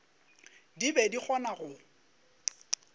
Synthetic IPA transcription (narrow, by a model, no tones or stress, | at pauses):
dibɛdik͡xʰɔnaɣʊ